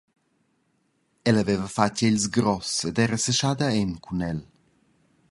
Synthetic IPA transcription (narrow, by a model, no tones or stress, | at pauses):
ɛlɐvevəfaceʎsɡɾɔsed̪ɛɾəsəʃad̪aɛnkʰunɛl